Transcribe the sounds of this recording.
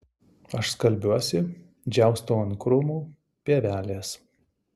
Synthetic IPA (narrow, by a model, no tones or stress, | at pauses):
ɐʃskɐlʲbʲuɔsʲɪ | d͡ʒʲæˑʊst̪oːɐnkɾʊmuː | pʲiɛʋʲæːlʲeːs